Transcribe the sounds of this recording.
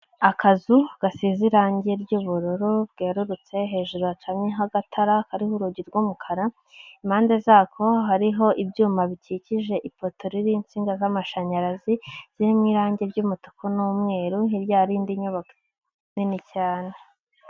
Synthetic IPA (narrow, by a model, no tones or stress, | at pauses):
akʰazuɡ̥asiziɾaːɲɟeɾɟuːβuɾuɾubɡe̞ːɾuɾut͡se̞ɦe̞ːʒuɾoat͡ʃamɲeɦaɡatʰaɾakaɾihuɾuɟiɾɡumukʰaɾa | imaːnde̞zaːkʰo̞ɦaɾiɦo̞ʔibɟuːmaβiciciʒe̞ʔipo̞toɾiɾiːnt͡siːŋɡazamaʃaɲaɾaziz̥iɾimŋiːɾaːɲɟe̞bɟuːmutu̥kʰonumŋe̞ːɾuhiɾjaːɾiːndiɲuβake̥ | ninicaːne